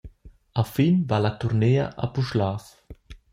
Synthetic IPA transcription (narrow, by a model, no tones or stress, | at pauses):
afinvalat̪uɾneːɐ̰ʔa̰puʃlaːf